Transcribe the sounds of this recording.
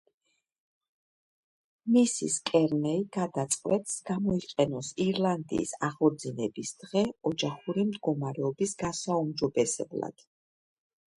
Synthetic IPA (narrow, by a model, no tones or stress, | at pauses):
misḭskʼɛɾnɛiɡad̪at̪sʼqʼwɛt̪ʼsɡ̥amɔiqʼɛnɔsiɾlˠand̪ḭːsaʁɔɾd̪zinɛbisd̪ʁɛɔd͡ʒaχuɾimd̪ɡɔmaɾɛɔbisɡ̥asaumd͡ʒɔbɛsɛ̰blˠa̰d̪̥